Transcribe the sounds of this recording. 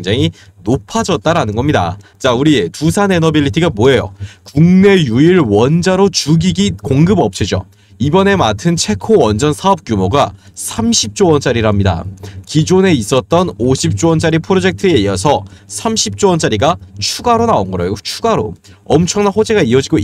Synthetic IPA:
eŋd͡ʑaŋi | nopʰad͡ʑʌt̚t͈aɾanɯnɡʌmɲida̰t͡ɕauɾitusʰane̞nʌbiʎːitʰiɡamoe̞jo̰kuŋne̞juiɾwʌnd͡ʑaɾot͡ɕuɡiɡikoŋɡɯbʌp̚t͡ɕʰid͡ʑo̰ | ibʌne̞matʰɯnt͡ɕʰe̞kʰoʌnd͡ʑʌnsʰaʌp̚k͈jumoɡa | sʰamɕʰip̚t͡ɕ͈owʌnt͡ɕ͈aɾiɾamɲida̰kid͡ʑone̞is͈ʌt̚t͈ʌnoɕʰip̚t͡ɕ͈oʌnt͡ɕ͈aɾipʰɯɾod͡ʑe̞k̚tʰɯe̞iʌsʰʌsʰamɕʰip̚t͡ɕ͈owʌnt͡ɕ͈aɾiɡat͡ɕʰuɡaɾonaonɡʌɾejot͡ɕʰu̥ɡaɾo̰ | ʌmt͡ɕʰʌŋnanɸod͡ʑe̞ɡaiʌd͡ʑiɡo

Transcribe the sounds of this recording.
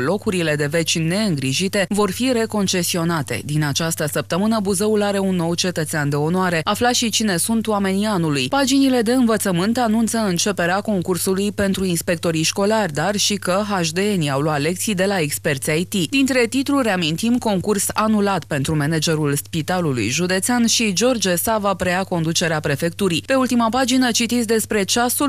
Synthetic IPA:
lo̞kuɾile̞d̪e̞ve̞t͡ʃʲne̞ɨŋɡɾiʒit̪e̞vo̞rfiɾe̞ko̞nt͡ʃe̞sio̞nat̪e̞̰d̪inat͡ʃast̪əsəp̚t̪əmɨnəbuzəulaɾe̞unːo̞wt͡ʃe̞t̪ət̪seand̪e̞o̞noaɾe̞aflaʃit͡ʃine̞sunt̪wame̞nianulujpad͡ʒinile̞d̪e̞ɨnvət̪səmɨnt̪anunt̪səɨnt͡ʃe̞pe̞ɾeako̞ŋkursulujpe̞nt̪ɾuinspe̞k̚t̪o̞ɾiʃko̞larʲd̪arʃikəɦaʒd̪e̞eniawloat̪le̞k̚t̪sijd̪e̞laekspert̪sʲajt̪id̪int̪ɾe̞t̪it̪ɾureamint̪imko̞ŋkursanulat̪pe̞nt̪ɾume̞ned͡ʒe̞ɾulspit̪alulṵjʒud̪e̞t̪seanʃid͡ʒo̞rd͡ʒesavapɾeako̞nd̪ut͡ʃe̞ɾeapɾe̞fe̞k̚t̪uɾipe̞ult̪imapad͡ʒinət͡ʃit̪it̪sʲd̪e̞spɾe̞t͡ʃasul

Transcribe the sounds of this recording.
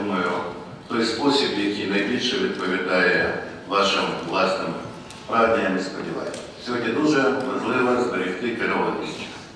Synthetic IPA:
nɔjʊ | t̪ɔjspɔsʲibjɐkʲijnɐjbʲilʲʃɛʋʲid̪̚pɔʋʲid̪ɑjɛ | ʋɑʃɪmʋlˠɑst̪ɐm | pɾad̪ʲnʲɐjɐnɛspɔdʲiʋɑ̰jɛ | sʲɔɦɔdʲnʲid̪uʒɛmɐʒlˠɪʋɐzbeɾʲixt̪ɪkɪɾɔd̪ʲisʲtʲʊ̥

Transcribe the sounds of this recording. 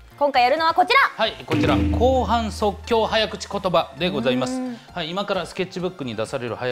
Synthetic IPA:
kõ̞ŋkaijaɾɯ̟no̞β̞ako̞t͡ɕiɾahaiko̞t͡ɕiɾakʰo̞ːɦãñso̞kʲːo̞ːhajakɯ̟t͡ɕi̥ko̞t̪o̞bad̪e̞ɡo̞zaimasɨ̥haiːmakaɾasɨ̥kʲe̞t͡ɕːibɯ̟kːɯ̟ɲ̟id̪asaɾe̞ɾɯ̟̰haja

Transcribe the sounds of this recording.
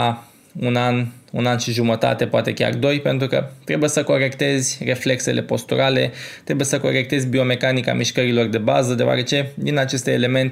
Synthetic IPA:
a | unanunanʃiʒumət̪a̰t̪e̞poat̪e̞kʲa̰rd̪o̞jpe̞nt̪ɾukə̰t̪ɾe̞buje̞səko̞ɾe̞kt̪e̞zʲre̞fle̞kse̞lʔe̞po̞st̪uɾale̞̰t̪ɾe̞bujesəko̞̰ɾe̞k̚t̪e̞zʲbio̞me̞kanika̰miʃkəɾilo̞rd̪e̞ba̰zəd̪eoa̰ɾe̞t͡ʃe̞d̪inat͡ʃe̞st̪eːle̞me̞nt̪

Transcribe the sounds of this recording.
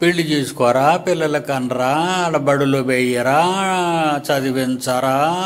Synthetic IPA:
piɭːid͡ʒeːsu̥kɔɾaːpilːɐlɐkɐnɾaːɐlɐbɐɽulobɛjɐɾaː | t͡ʃɐd̪iʋent͡sɐɾa

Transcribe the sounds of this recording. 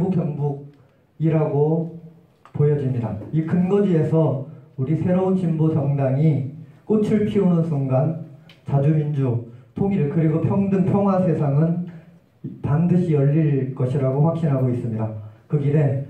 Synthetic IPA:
bukjʌŋbuɡ̚ | iɾaɡo | pojʌd͡ʑimɲida̰ikɯnɡʌd͡ʑie̞sʰʌuɾisʰe̞ɾount͡ɕimbosʌŋdaŋik͈ot͡ɕʰɯɭpʰionɯnsʰuŋɡant͡ɕad͡ʑumind͡ʑutʰoŋiɾɯɭkɯɾiɡopʰjʌŋdɯŋpʰjʌŋɦwasʰe̞sʰaŋɯn | pandɯɕʰijʌʎːiɭk͈ʌɕʰiɾaɡoɸwak̚ɕ͈inɦaɡois͈ɯmɲidakɯɡide̞

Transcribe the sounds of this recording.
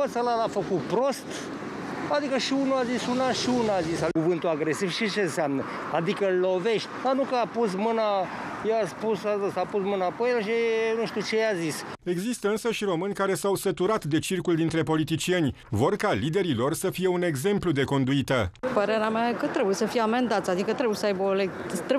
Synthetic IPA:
ot̪salalafəkut̪pɾo̞st̪ | ad̪ikəʃiunuazisunaʃiunuazisakuvɨnt̪uaɡɾe̞sivʃit͡ʃeɨnseamnə | ad̪ikəllo̞ve̞ʃt̪ʲd̪anukəapus̬mɨna | jeaspusad̪əsapusmɨnapojlaʃ̬enuʃt̪ut͡ʃejazise̞ɡzist̪əɨnsəʃiɾo̞mɨnʲkaɾe̞sawsət̪uɾat̪d̪e̞t͡ʃirkuld̪int̪ɾe̞po̞lit̪it͡ʃie̞nʲ | vo̞rkalid̪e̞ɾilo̞rsəfije̞une̞ɡze̞mplud̪e̞ko̞nd̪uit̪əpəɾeɾeamaekət̪ɾe̞bujesəfijeame̞nd̪at̪sʲad̪ikət̪ɾebujesəajbəoleɡ | t̪ɾe

